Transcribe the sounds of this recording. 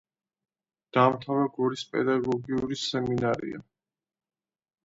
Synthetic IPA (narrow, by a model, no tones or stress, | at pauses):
d̪̥amt̪ʰavɛɡɔɾispʼɛ̰d̪aɡɔɡiuɾisɛminaɾḭa̰